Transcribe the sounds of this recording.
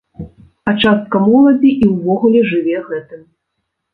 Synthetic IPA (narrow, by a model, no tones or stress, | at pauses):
ɐt͡ʂast̪̚kɐmɔlˠɐd͡zʲiʔiwvɔɣulʲɛʐɨvʲɛɣɛt̪ɨm